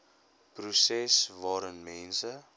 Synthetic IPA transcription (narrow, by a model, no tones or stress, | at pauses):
prusɛsvɑːɾənmɛnsə